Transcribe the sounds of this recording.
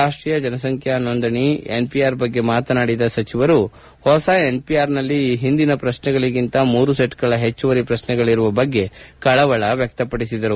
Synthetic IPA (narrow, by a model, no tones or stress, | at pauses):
aːʂʈɾiːjɐd͡ʒɐnɐsɐŋkʰjanːond̪ɐɳienpijaːɾbɐɡːe̞maːt̪ɐnaːɽid̪ɐsɐt͡ʃiʋɐɾu | hɔsɐe̞npijaːɾnɐlːiːɦind̪inɐpɾɐʃnɛɡɐɭiɡint̪ɐmuːɾuseʈɡɐɭɐɦe̞t͡ʃːuʋɐɾipɾɐʃnɛɡɐɭiɾuʋɐbɐɡːe̞kɐɭɐʋɐɭɐʋjɐk̚t̪ɐpɐɽisid̪ɐɾu